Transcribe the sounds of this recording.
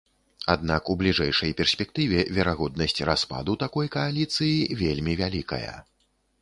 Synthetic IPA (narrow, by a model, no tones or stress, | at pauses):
ad̪nakublʲiʐɛjʂɐjpʲɛrsʲpʲɛk̚t̪ɨvʲɛvʲɛɾaɣɔd̪̚nɐsʲt͡sʲraspa̰d̪ut̪akɔjkɐalʲit̪sɨjivʲelʲmʲivʲalʲikɐ̰jɐ̰